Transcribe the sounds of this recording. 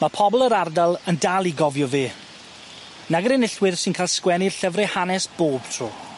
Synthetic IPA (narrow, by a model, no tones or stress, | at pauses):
mapʰɔbɔlˠəɾardalˠəndalˠiɡɔvjɔveː | naɡəɾɪnɪɬwɪðsɪnkʰaːlˠskwɛnirɬəvrɛhanɛsb̥oːb̥tʰruː